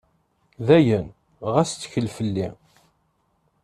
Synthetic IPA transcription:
ðæjən | ʁæst͡s̪ːə̥çəlfəlːi

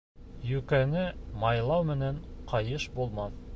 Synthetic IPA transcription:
jʉkænɘmɑjlˠɑwmɘ̆næɴqʰɑjɤʃbulˠmɑn

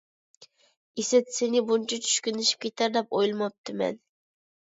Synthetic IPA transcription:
isɪt̪senɪbunt͡ʃʰɑt͡ʃʰy̥ʃkʲynɪʃi̥p̚kʲʰet̪ʰæɾd̪ɛp̚ojlˠmɑp̚t̪ʰɨmɛ̰n

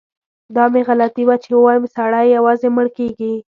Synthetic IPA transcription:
d̪ɑmeɣalat̪iwat͡ʃewəwɑjəmsaɽajːawɑzeməɽkeɡi

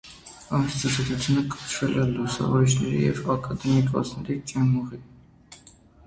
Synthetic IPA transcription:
ɑmst͡s̪ɑzɔt̪ut͡sʰjunəkʼət͡ʃʰvɛlɛlusɑ̰vɔɾit͡ʃʰnɛɾḭjɛ̰vɑkʼɑd̪ɛmikʼvɔ̰sʰnɛɾit͡sʼɛnmɔʁi

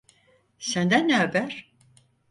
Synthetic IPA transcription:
sænd̪ænːɛabæɾ̥

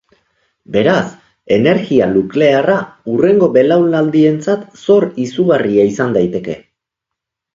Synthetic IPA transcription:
be̞ɾas | e̞ne̞ɾɣialukle̞araure̞ŋɡo̞βe̞lawlnald̪ie̞nt͡sat̪so̞ɾisuɣariaisand̪ajt̪e̞ke̞

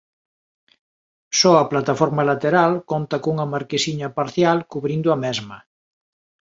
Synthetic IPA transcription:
sɔɐplat̪afɔɾmɐlat̪eɾalkont̪ɐkuŋɐmaɾkesiɲɐpaɾθjalkuβɾind̪ʊɐmɛzmɐ

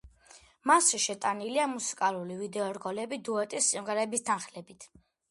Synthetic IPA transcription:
masʃɛʃɛt̪ʼaniliamusi̥kʼalulivid̪ɛɔɾɡɔlɛbid̪uɛt̪ʼisːimʁɛɾɛbist̪ʰanχlɛbit̪ʰ

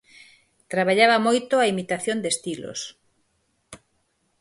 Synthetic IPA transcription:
t̪ɾaβaʎaβamojt̪oaimit̪aθjond̪est̪ilo̰s

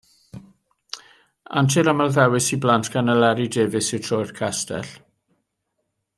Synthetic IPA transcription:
a̰ntʰiɾamalˠðɛwɪsiblantʰɡ̥anəlɛɾideːvɪsɪwtʰrɔjrkʰastʰɛ̰ɬ

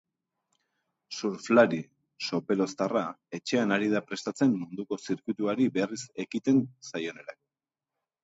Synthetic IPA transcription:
suɾflaɾi | so̞pe̞lo̞st̪arae̞t͡ʃe̞anaɾið̞apɾe̞st̪at͡se̞mːund̪uko̞siɾkwut̪uaɾibe̞rise̞kit̪e̞nsajo̞ne̞ɾak

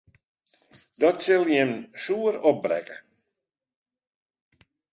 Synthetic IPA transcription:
d̥ɔtsɪlˠjɛmsuːəɾɔp̚bɾɛ̰kə

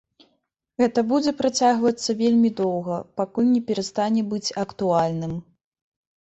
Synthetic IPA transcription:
ɣɛt̪ɐbud͡zʲɛpɾat͡sʲaɣvɐt̪sːɐvʲelʲmʲid̪ɔwɣɐpakulʲnʲɛpʲɛɾast̪anʲɛbɨt͡sʲɐkt̪ualʲnɨm

